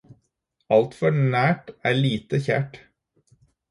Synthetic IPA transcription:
ɑlt̪fɔnæːʈæːɭiːt̪əçæ̰ːʈ

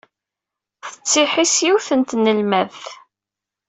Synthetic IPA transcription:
θə̥t͡sːɪħisjuθənt̪nəlmæðθ

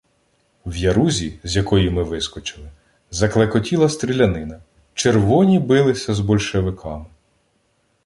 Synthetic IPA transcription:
wjɐɾuzʲizʲjɐkɔjimɪʋɪskɔt͡ʃɪlˠɪ | zɐklˠekɔtʲilˠɐst̪ɾʲilʲɐnɪnɐ | t͡ʃerʋɔnʲibɪlˠɪsʲɐzbɔlʲʃeʋɪkʰɑmɪ

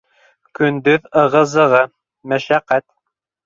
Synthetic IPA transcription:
kɵ̆nd̪ɵðɤ̆ʁɤ̆zɤ̆ʁɤ | mæʃæqːæt̪̚

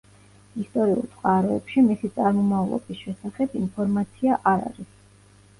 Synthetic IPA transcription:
ist̪ʼɔɾiṵlˠt̪sʼqʼaɾɔɛpʃimisit̪sʼaɾmɔmavlˠɔ̰bisʃɛsaχɛbinpʰɔɾmat̪sʰiaʔaɾa̰ɾis

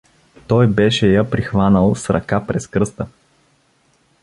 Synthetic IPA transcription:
t̪ɔjbɛʃɛjəpɾixvanəlˠsɾɐ̰kapɾɛskɾɤst̪ə

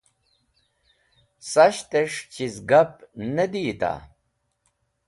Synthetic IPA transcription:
sɐɕt̪eʂt͡ɕizɡɐp̚ned̪iːt̪a̰

